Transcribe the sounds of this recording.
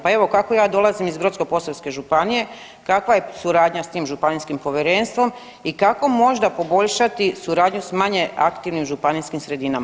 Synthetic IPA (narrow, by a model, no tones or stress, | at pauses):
pae̞ʋo̞kako̞jaːd̪o̞lˠazimizbɾot̪sko̞po̞saske̞ʒupanije̞ | kakʋaje̞suɾaːd̪ɲast̪iːmʒupaniskimpo̞ʋjeɾeːnst̪ʋo̞m | ikako̞mo̞ʒd̪apo̞bo̞ʎʃat̪isuɾaːd̪ɲusmaɲe̞a̰kt̪iʋnimʒupaniskimsɾe̞d̪inama